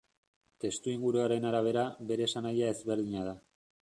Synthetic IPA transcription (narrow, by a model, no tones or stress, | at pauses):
t̪e̞st̪uiŋɡuɾuaɾe̞naɾaβ̞e̞ɾaβe̞ɾe̞ːsanajae̞zβe̞ɾðiɲað̞a